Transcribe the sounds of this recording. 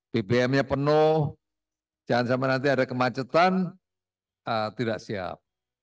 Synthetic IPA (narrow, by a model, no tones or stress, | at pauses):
pebeɛmɲapənʊh | d͡ʒaŋansamanant̪̬iadakəmat͡ʃət̪an | ət̪idaʔsia̰p̚